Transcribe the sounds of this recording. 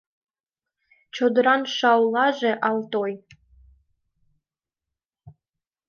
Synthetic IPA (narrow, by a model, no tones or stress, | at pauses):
t͡ɕod̪ɾɑnʃɑwlˠɑʒeʔɑlˠt̪oj